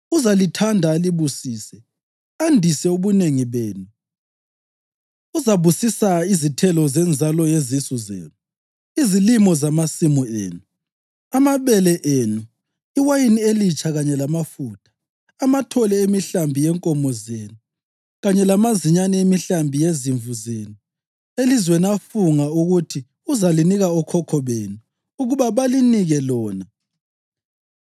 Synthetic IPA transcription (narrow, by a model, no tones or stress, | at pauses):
uzalitʰandʱaːliβusiːsɛ | andʱisɛuβuneŋiβeːnu | uzaβusisaizitʰɛlɔzɛnd͡zʱalɔjezisuzḛːnu | izilimɔzamasimɔḛːnu | amaβɛlɛʔeːnu | iwajinielit͡ʃʰʼaɣaɲɛlamafuːtʰḁ | amatʰɔlɛemiɬambʱijɛŋkʼɔmɔzeːnu | ɣaɲɛlamaziɲanɛemiɬambʱijeziɱvuzeːnu | elizweniafuŋauɣutʰi | uzaliniɣaɔkʰɔkʰɔβeːnuː | ɣuβaβaliniɣɛlɔːna